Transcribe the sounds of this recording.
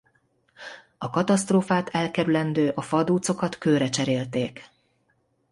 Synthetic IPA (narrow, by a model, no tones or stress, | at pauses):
ɒkɒt̪ɒst̪roːfaːt̪ʰɛlkɛɾylɛnd̪øːʔɒfɒd̪uːt̪so̞kɒt̪køːɾɛt͡ʃɛɾeːlt̪eːk